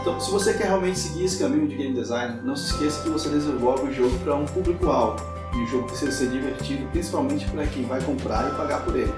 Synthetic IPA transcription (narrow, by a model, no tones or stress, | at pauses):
ẽt̪ɐ̃w̃sɪvosekɛɾheawmẽnt͡ʃɪ̥sɪɡiɾesɪ̥kɐmĩɲʊd͡ʒɪɡẽjmɪd̪ezaj̃neɾnɐ̃w̃sɪ̥iskesɐ̥kɪvosed̪ezeɾlɔɡʊʊ̃ʒoɡʊpɾɐũpublikʊawɡʊ | ɪũʒoɡʊpe̥siʒɐseɾd͡ʒiveɾt͡ʃid̪ʊpɾĩsi̥pawmẽnt͡ʃɪ̥pɾɐkẽj̃vajkõmpɾa̰ɾɪpaɡapʊɾḛlɪ